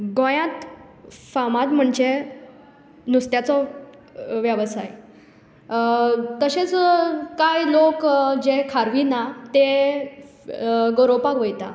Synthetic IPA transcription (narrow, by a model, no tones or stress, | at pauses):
ɡõjãt̪famat̪m̤əɳd͡ʑe | nust̪jat͡sɔ | ʋjaʋsaj | t̪əɕet͡skajlokd͡ʑekʰaɾʋinat̪e | ɡoɾopakʋəjt̪a